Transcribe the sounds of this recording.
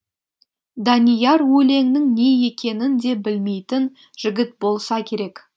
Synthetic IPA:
d̪ɑnijɑɾwɵle̞ŋnɪŋne̞je̞kʲʰe̞nɪnd̪e̞bɪlme̞jt̪ɪn | ʒ̥ɪɡʲɪt̪̚bo̞lˠsɑkʲʰe̞ɾe̞k

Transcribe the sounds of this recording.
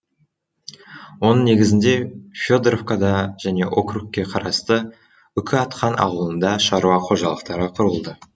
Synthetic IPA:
wo̞nəɴne̞ɡʲɪzɪnd̪e̞fʲjo̞d̪rofkad̪ɑʒ̥æne̞ʔo̞krukʲːe̞qʰɑɾɑst̪ə | ʏkʲʰɪɑt̪qʰɑnʔɑ̰wəlˠənd̪ɑʃɑɾuɑqʰo̞ʒɑlˠəqt̪ɑɾəqʰʊɾəlˠd̪ə

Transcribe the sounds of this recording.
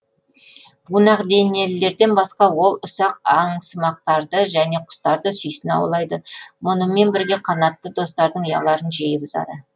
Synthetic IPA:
b̥unɑqd̪e̞ne̞lɪlːe̞ɾd̪e̞nbɑsqɑwo̞lˠʊsɑqɑɴsəmɑq̚t̪ɑɾd̪əʒæne̞qʰʊ̥st̪ɑɾd̪əsʏjsɪnɑ̰wlˠɑjd̪əmʊnəme̞nbɪɾɡʲe̞qʰɑnɑt̪ːəd̪o̞st̪ɑɾd̪əɴjɑ̰lˠɑɾənʒejɪbʊzɑ̰d̪ə

